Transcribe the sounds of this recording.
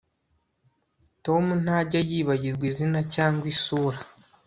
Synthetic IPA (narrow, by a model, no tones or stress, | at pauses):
to̞mun̥haɟajiːβaɟiɾɡwizinacaːŋɡwisuːɾa